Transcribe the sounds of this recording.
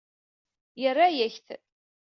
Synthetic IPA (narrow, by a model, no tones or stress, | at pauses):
jərːajæçθ